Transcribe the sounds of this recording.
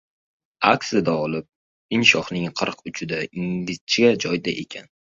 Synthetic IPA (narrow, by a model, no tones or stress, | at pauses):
akʲsɪd̪aɒlˠɪp̚ | ɪnʃɒχnɪŋqʰɨɾqʊt͡ʃʰɪd̪aɪŋɡʲɪzt͡ʃʰɪɡʲad͡ʒɒjd̪aʔe̞kʲʰan